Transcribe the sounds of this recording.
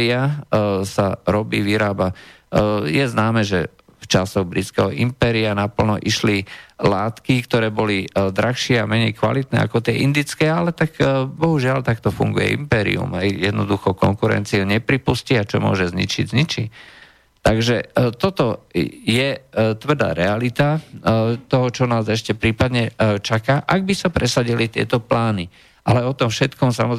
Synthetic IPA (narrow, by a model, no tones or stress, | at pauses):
iasaɾɔbḭːʋiɾaːba | jɛznaːmɛːʒɛ | ft͡ʃasɔɣbɾit͡skɛɦɔʔimpɛːɾianapl̩nɔ̰ʔiʃlilaːt̪kikt̪ɔɾɛːbɔlid̪ɾaxʃɪɛamɛɲɛjkʋa̰lit̪̚nɛ̰ːa̰kɔt̪ɪɛʔind̪it͡skɛːalɛt̪akbɔɦuʒɪalt̪akt̪ɔfṵŋɡujɛ̰ʔḭmpɛːɾḭṵmɦɛjjɛd̪nɔd̪uxɔkɔ̰ŋkuɾɛ̰nt͡siuɲɛpɾipusciat͡ʃɔmʊɔ̰ʒɛzɲḭt͡ʃiɟzɲit͡ʃi | t̪aɡʒɛt̪ɔt̪ɔjɛt̪ʋr̩d̪a̰ːɾɛalit̪a | t̪ɔɦɔt͡ʃɔnaːzɛʃcɛpɾiːpad̪ɲɛt͡ʃakaʔaɡ̚bisapɾʔɛsaɟilit̪ɪɛ̰t̪ɔplaːni | ʔalɛɔt̪ɔmfʃɛt̪kɔmsa̰mɔ